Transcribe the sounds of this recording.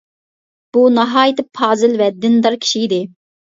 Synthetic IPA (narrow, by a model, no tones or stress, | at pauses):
b̥unɑɦɑːjit̪ɪpʰɑːzɪlvɛd̪ːɪnd̪ɑɾkʲʰi̥ʃiid̪ɪ